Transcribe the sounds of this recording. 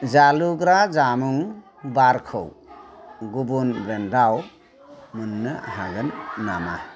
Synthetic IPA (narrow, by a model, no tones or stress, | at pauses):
zaluɡɾazamuŋ | baɾkʰɯ̰w | ɡubunɾendaw | mɯnːɯa̰ɦaɡɯnːama̰